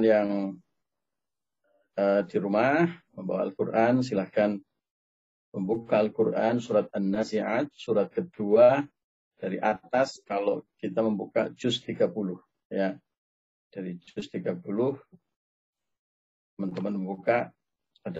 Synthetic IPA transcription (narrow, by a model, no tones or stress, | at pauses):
njaŋ | ədiɾumahməmbawa̰alkurʔans̬ilahkan | məmbukaalkurʔansuɾat̪̚anːasiʕat̪̚suɾat̪̚kəd̥ua | d̥aɾiʔat̪askalokit̪aməmbuka̰d͡ʒʊst̪iɡapulʊh | ja | d̥aɾid͡ʒʊst̪iɡapulʊh | t̪əmant̪əmanməmbuka | ad